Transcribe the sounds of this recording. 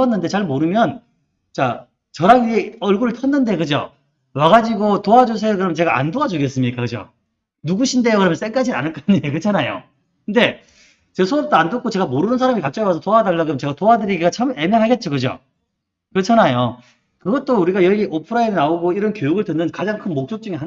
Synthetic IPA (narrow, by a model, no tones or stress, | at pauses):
ʌnːɯnde̞t͡ɕaɭmoɾɯmjʌn | t͡ɕa | t͡ɕʌɾaɡieʌɭɡuɾɯɭtʰʌnːɯnde̞kɯd͡ʑo̰ | waɡad͡ʑiɡotoad͡ʑos̬ʰejokɯɾʌmjʌnt͡ɕe̞ɡaa̰ndoad͡ʑuɡe̞s͈ɯmɲik͈akɯd͡ʑo̰ | nuɡuɕʰinde̞jokɯɾʌmjʌns͈eŋk͈ad͡ʑina̰nɯɭk͈aɲiekɯt͡ɕʰanajo̰ | kkɯnde̞ | t͡ɕesʰoʌp̚t͈oandok͈ʰot͡ɕe̞ɡamoɾunɯns̬ʰaɾamikat͡ɕ͈ʌwasʰʌtoadaɭːakɯmʌt͡ɕeɡatoadɯɾiɡiɡat͡ɕʰʌme̞mjaŋɦaɡe̞t̚t͡ɕ͈okɯd͡ʑo̰ | kɯʌt͡ɕʰanajo | kɯɡʌt̚t͈ouɾiɡajʌɡiʔopʰɯɾaiɾɯnaoɡoiɾʌnkjojuɡɯɭtɯnːɯnkad͡ʑaŋkʰɯnmok̚t͡ɕ͈ok̚t͡ɕ͈uŋeɦa